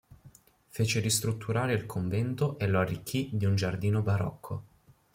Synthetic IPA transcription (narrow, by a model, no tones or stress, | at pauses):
feːt͡ʃeɾist̪ɾut̪ːuɾaːɾeilkʰoɱvɛnt̪oʔeloarːikʰːid̪iund͡ʒard̪iːnobaɾɔ̰kʰːo̰